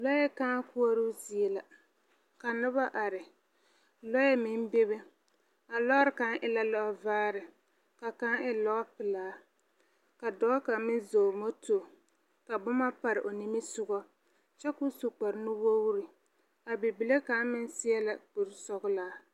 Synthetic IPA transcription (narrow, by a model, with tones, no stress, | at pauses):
lɔ˦jɛ˦kaː˦kʊ˦ɔ˦ɾu˦zi˨e˨la˨ | ka˨nʊ˦βa˦ʔa˨ɾɪ˨ | lɔ˦jɛ˦mɪ˦m˦be˦βe˦ | a˨lɔ˦ɾɪ˦˨ka˦ŋʔɪ˦la˦lɔ˦vaː˦ɾɪ˨ | ka˨ka˦ɪ˦lɔ˦pɪ˨laː˦ | ka˨dɔ˦ka˨mɪ˦nzoː˨mo˦to˨ | ka˨bʊ˦ma˦pa˨ɾɪ̰˨ʔo˨ni˦mi˦sʊ˦ɡɔ˦ | t͡ʃɛ˦ku˦su˨k͡pa˨ɾnʊ˦wo˦wu˦ɾi˨ | a˨bi˨bi˨le˦ka˨˦mɪ˦n˦sɪ˦ɛ˦la˨k͡pu˨ɾsɔ˦ɡʊ˦laː˦